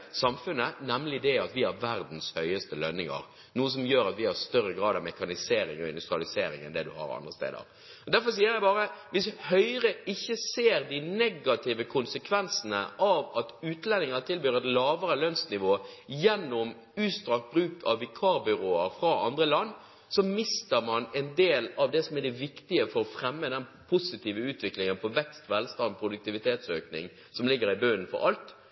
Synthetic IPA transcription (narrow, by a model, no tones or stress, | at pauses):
sɑmfʉnːənɛmlɪd̪ɛɑt̪ʋɪhæɾʋæɾd̪n̩shœʏəst̪əlœnːɪŋɑ̰ɾ | nuːəs̬ɔmjøːɾɑt̪ʋɪhɑɾst̪œrəɡɾɑːd̪ɑʋmɛkɑnɪseːɾɪŋɔɪ̰nd̪ʉst̪ɾɑlɪseːɾɪ̰ŋɛ̰nd̪ɛd̪ʉ̰hɑ̰ɾɑ̰nd̪ʁəst̪ḛːd̪ə̰ɾ | ɔd̪æɾfɔɾs̬iːəɾjæɪbɑːɾəʋɪshœʏɾəɪçːəseːɾd̪ɪnɛɡɑt̪ʰɪʋəkʰʊnsəkʰʋɛnsənəʔɑʋɑt̪ʉːt̪lɛnɪŋɑt̪ʰɪlbyːɾɛt̪lɑːʋəɾəløːnsnɪʋoːjɛnːʊm | ʉːst̪ʁɑːk̚t̪̚bɾʉːkʰɑ̰ʋːɪkʰɑːɾbʏɾoːəɾfɾɑʔɑ̰nd̪ʁəlɑnː | sɔmɪst̪əɾmɑnɛnd̪eːlɑʋd̪ɛsɔmɛd̪ɛʋɪkt̪ɪəfɔɾɔfɾɛmːəd̪ɛnpʰʊsɪt̪iːʋəʉːt̪ʋɪklɪŋənpʰɔʋɛkst̪ʋɛlst̪ɑnd̪̚pʰɾʊd̪ʉk̚t̪ɪʋɪt̪ʰeːt̪sø̰ːknɪ̰ŋ | sɔmlɪɡːəɾɪbøːənfɔ̰ɾɑlt̪